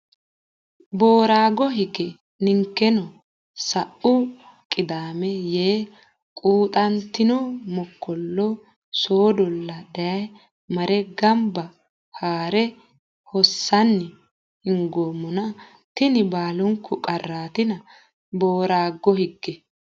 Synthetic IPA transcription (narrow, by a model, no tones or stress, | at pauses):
boːɾaːɡɔɦɪɡɛ | nɪŋkːɛnɔ | sɐʔʊ | kʼːɪd̪aːmɛjeː | kʼuːt̪ʼɐnt̪ːɪnɔmɔkːɔlːɔ | soːd̪ɔlːɐd̪ɐjɐj | mɐɾɛɡɐmbɐ | haːɾɛ | hɔsːɐnːɪ | hɪŋɡoːmːɔnɐ | t̪ɪnɪbaːlʊŋkʰːʊkʼɐrːaːt̪ɪnɐ | boːɾaːɡːɔhɪɡːɛ